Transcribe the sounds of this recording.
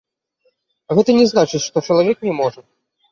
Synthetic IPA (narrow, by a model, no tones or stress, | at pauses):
ɣɛt̪ɐnʲɛznat͡ʂɨt͡sʲʂt̪ɔt͡ʂɐlˠavʲɛknʲɛmɔʐɐ